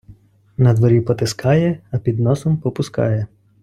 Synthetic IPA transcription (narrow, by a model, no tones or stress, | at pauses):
nɐd̪ʋɔɾʲipɔt̪eskʰɑjɛɐpʲid̪nɔsɔmpɔpʊskɑ̰jɛ